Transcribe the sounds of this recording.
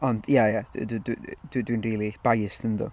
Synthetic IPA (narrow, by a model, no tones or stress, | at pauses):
ɔnd̥jajad̥̰ddd̥dwinriːlˠib̥ajsənðṵ